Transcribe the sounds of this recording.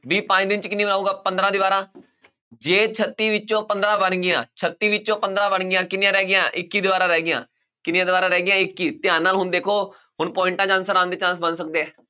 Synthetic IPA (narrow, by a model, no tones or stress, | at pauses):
biːpãːd͡ʒd̪ɪnt͡ʃkɪniːbənaːuːɡaːpənd̪ɾãːd̪ɪʋaːɾãː | d͡ʒeːt͡ʃʰət̪ːiːʋɪt͡ʃõːpənd̪ɾãːbəɳɡɪjãːt͡ʃʰət̪ːiːʋɪt͡ʃõːpənd̪ɾãːbəɳɡɪjãːkɪnjãːɾɛːɡɪjãːʔɪkːiːd̪ɪʋaːɾãːɾɛːɡɪjã̰ː | kɪnjãːd̪ɪbaːɾãːɾɛːɡɪjãːɪkːiːt̪ɪãːnaːlɦʊnd̪eːkʰoː | hʊɳpɔːɪ̃ɳʈãːd͡ʒãːnsəɾãːnd̪eːt͡ʃãːsbənsək̚d̪eːɛ̃ː